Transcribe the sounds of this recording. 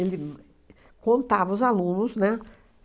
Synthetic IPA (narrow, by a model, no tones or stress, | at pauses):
elɪ | kõnt̪avɐʊzalũnʊsnɛ